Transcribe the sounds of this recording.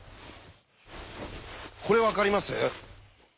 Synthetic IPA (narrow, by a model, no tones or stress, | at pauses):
kʰo̞ɾe̞βakaɾʲimasɨ